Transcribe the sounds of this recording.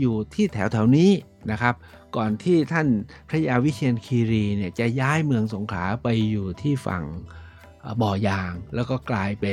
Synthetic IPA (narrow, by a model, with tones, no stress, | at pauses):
juː˨˩t̪ʰiː˥˩t̪ʰɛː˩˦wt̪ʰɛː˩˦wniː˦˥ | na˦˥kʰa˦˥p̚ | kɔː˨˩nt̪ʰiː˥˩t̪ʰa˥˩npʰɾa˦˥jaː˧wi˦˥t̪ʰi˧ənkʰiː˧ɾiː˧ni˥˩ət͡ɕa˨˩jaː˦˥jmɯ˧əŋso˩˦ŋkʰlaː˩˦pa˧jːuː˨˩t̪ʰiː˥˩fa̰˨˩ŋ˨˩ | bɔː˨˩jaː˧ŋlɛː˦˥wkɔː˥˩klaː˧jpe˧